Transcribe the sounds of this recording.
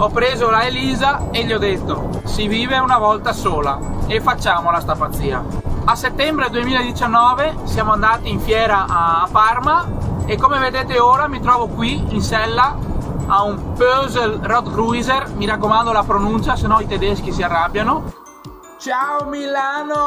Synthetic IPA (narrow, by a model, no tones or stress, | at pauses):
ɔpːɾeːzolaeliːzaeʎːiɔd̪et̪ːo | siviːveunavɔlt̪asoːla̰efːat͡ʃːaːmolast̪apat̪sːiːa̰aset̪ːɛmbɾed̪uemiːlaed̪it͡ʃanːɔːvesjaːmoand̪aːt̪iːɱfjɛːɾaʔaparmaekːomeved̪eːt̪eoːɾamit̪ɾɔːvokwiinsɛlːaaumpøzelrɔt̪ruizermiɾakːomand̪olapɾonunt͡ʃasenɔnit̪ed̪esk̟isiarːabːjano | t͡ʃaomilaːno